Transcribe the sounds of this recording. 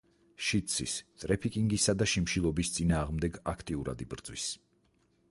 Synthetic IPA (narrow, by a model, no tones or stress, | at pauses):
ʃit̪sʰḭst̪ʼɾɛpʰikʼiŋɡisad̪aʃimʃilˠɔbist̪sʼinaːʁmd̪ɛɡakʰt̪ʼiuɾa̰d̪ibɾd̪zwḭs